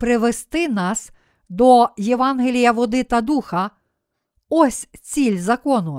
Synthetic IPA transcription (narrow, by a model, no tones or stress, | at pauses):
pɾɪʋest̪ɪnɑs | d̪ɔjeʋɑnɦelʲijɐʋɔd̪ɪt̪ɐd̪uxɐ | ɔsʲt͡sʲilʲzɐkɔnʊ